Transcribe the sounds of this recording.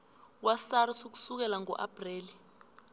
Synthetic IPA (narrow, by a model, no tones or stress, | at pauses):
wasarisuk̬u̥suk̬ɛlaŋɔ̰ʔa̰b̥ʱreːli